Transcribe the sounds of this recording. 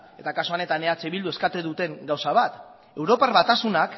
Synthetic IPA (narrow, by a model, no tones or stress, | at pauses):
e̞t̪akasoane̞t̪aneat͡seβild̪ue̞skat̪eðut̪e̞ŋɡawsaβat̪ | e̞wɾo̞paɾβat̪asunak